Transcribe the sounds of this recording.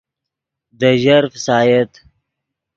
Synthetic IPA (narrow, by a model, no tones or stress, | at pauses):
d̪əʒaɾfsɑːjet̪